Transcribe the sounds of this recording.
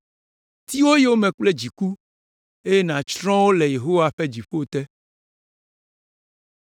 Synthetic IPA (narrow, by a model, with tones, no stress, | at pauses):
t̪i˦wo˦je˦wo˦mɛ̃˨k͡ple˦d͡ʑi˨ku˦ | e˦je˦nã˨t͡ʃɾɔ̃˦wo˦le˨je˨ɦo˦wa˦ɸe˦d͡ʑi˨ɸo˦˨t̪ɛ˦